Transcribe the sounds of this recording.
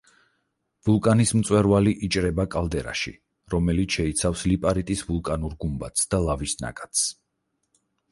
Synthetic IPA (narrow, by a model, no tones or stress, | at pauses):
vulˠkʼanismt̪sʼwɛɾvaliʔit͡ʃʼɾɛbakʼalˠd̪ɛɾa̰ʃḭ | ɾɔmɛlit̪ʰʃɛit̪sʰafslipʼaɾit̪ʼisvulˠkʼanuɾɡumbat̪sd̪alˠavisna̰kʼat̪s